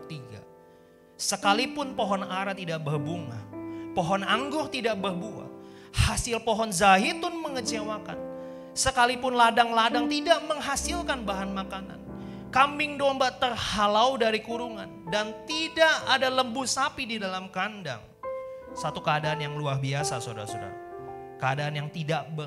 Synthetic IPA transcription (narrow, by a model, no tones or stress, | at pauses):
t̪iɡa̰ | səkalipʊnpoɦɔnaɾat̪idaʔbərbuŋa̰hpoɦɔnaŋɡʊrt̪idaʔbərbua̰hasɪlpoɦɔnzaɦit̪ʊnməŋət͡ʃewaka̰n | səkalipʊnladaŋladaŋt̪idaʔməŋɦasɪlkanbaɦanmakana̰n | kambɪŋdɔmbat̪ərhalaudaɾikuɾuŋa̰ndant̪idaʔadaləmbusapididalamkanda̰ŋ | sat̪ukəadaʔːnjaŋluahbiasasoda̰ɾasoda̰ɾa | kəadaːnjaŋt̪idaʔbə